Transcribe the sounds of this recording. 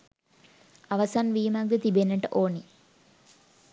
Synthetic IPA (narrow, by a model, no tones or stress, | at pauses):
aʋɐsanʋiːmak̚d̪ət̪ibenːəʈəʔoːni